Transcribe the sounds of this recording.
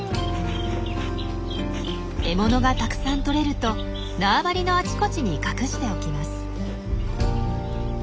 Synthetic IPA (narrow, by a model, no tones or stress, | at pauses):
e̞mo̞no̞ɡat̪akɯ̟̥sãnt̪o̞ɾe̞ɾɯ̟t̪o̞ | naːbaɾʲino̞at͡ɕi̥ko̞t͡ɕiɲ̟ikakɯ̟ɕi̥t̪e̞o̞kʲimasɨ̥